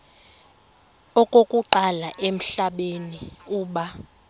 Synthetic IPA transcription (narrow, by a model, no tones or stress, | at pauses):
ɔkʼokʼuǃalaʔem̩ɬaɓeniuːɓa